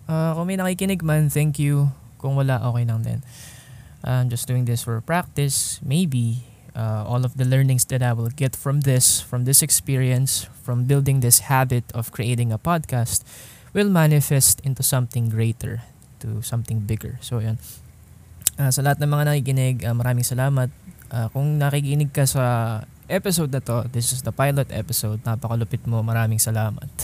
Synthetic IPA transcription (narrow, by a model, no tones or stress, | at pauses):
ʔakʊŋmɐjnɐkiːkɪnɪɡ̚manθɛŋkju | kʊŋwɐlaʔoːkɛjlɐŋd̪ɛ̰n | ʔad͡ʒɐsd̪uːɪ̃ŋd̪ɪsfɔɹpɹak̚t̪ɪsmejbi | ʔaʔolɔvd̪ɐlɛɹnɪ̃ŋsd̪ɐt̪ajwɪlɡɛt̪fɹɔ̃mðɪsfɹɔ̃md̪ɪsɛkspiɹiɐ̃nsfɹɔ̃mbɪld̪ɪ̃ŋd̪ɪshabɪt̪ʰɔv̥kɹiʔejt̪ɪ̃ŋɐpad̪̚kast̪̚ | wɪlmanɪfɛst̪ʔɪ̃nt̪usɐ̃mθɪ̃ŋɡɹeɪt̪ɛ̰ɹ | t̪ʊ̰sɐ̃mt̪ɪ̃ŋbɪɡɛ̰ɹsojon | ʔasɐlɐhat̪̚nɐŋmɐŋanɐkikɪnɪɡʔɐmɐɾaːmɪŋsɐlaːmɐt̪̚ʔaːkʊŋnɐkikɪnɪɡ̚kɐsɐ | ʔɛpɪsowd̪nɐt̪o̞d̪ɪsɪsd̪ɐpajlot̪ʔɛ̰pɪsowd̪̚napɐkɐlʊpɪt̪̚momɐɾaːmɪŋsɐlaːmɐ̰t̪̚